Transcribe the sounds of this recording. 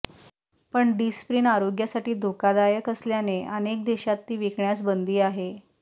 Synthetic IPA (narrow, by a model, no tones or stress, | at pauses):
pəɳɖispɾiːnaɾoɡjasaʈiːd̪ʱokad̪ajəkəsljaneʔənek̚d̪eɕat̪ːiːʋikʰɳjat͡sbənd̪iːaɦe